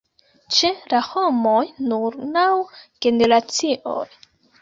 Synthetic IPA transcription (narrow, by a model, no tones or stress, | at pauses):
t͡ʃelaho̞mo̞jnuɾnawɡ̥e̞ne̞ɾat͡siʔo̞̰j